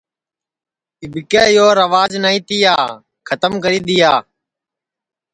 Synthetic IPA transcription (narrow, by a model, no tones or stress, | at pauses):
ɪbʱɪkɛːɪjoːɾəʋaːd͡ʒnaːĩːt̪iːjaː | kʰət̪əmkəɾiːɗ̪ɪjaː